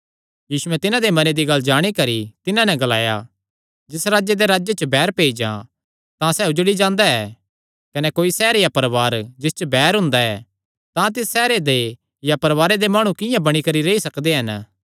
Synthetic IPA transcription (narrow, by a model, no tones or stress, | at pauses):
jiːsʊɛt̪ɪnãd̪emɐned̪iɡɐlːd͡ʒaːɽ̃ikɐɾit̪ɪnãnɛɡɐlaːja̰ | d͡ʒɪsɾaːd͡ʒed̪eɾaːd͡ʒet͡ʃəbɛːɾpeːid͡ʒã̰ | t̪ãsɛːʊd͡ʒɽid͡ʒãːnd̪aɛː | kɐnɛkoːisɛːɾejapɐɾʋaːɾd͡ʒɪst͡ʃəbɛːɾɦʊ̃nd̪aɛ̰ː | t̪ãt̪̬ɪsːɛːɾed̪e | japɐɾʋaːɾed̪emaːɽ̃ũkɪ̃jãbɐɽ̃ikɐɾiɾeːisɐkd̪eɦɐn